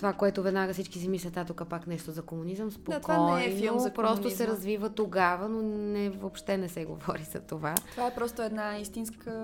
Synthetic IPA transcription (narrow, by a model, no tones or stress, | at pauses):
t̪ovakoɛt̪ʊvɛd̪naɡəsit͡ʃkisimislʲɐt̪at̪okəpaknɛʃt̪ʊzɐkomunizəmspoatk̪ʰvaɔnɛnopɾɔstt̪ʊɛɾɐzvivət̪oɡavənonɛvopʃt̪ɛnɛsɛɡo̰vɔɾizɐ̰t̪ovaovaɛpɾɔst̪ʊɛd̪naist̪inskʰə